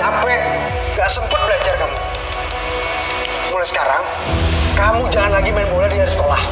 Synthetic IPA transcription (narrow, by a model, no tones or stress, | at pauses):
abɛʔ | ŋɡaʔsəmpʊt̪̚bəlad͡ʒarkamu | molɛsə̥kaɾaŋ | kamud͡ʒaɦanakimaimbolɛdiaɾsə̥kolah